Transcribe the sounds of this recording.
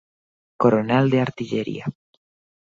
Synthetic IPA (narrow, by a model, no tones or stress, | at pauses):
koɾoneld̪eaɾt̪iʎeɾḭa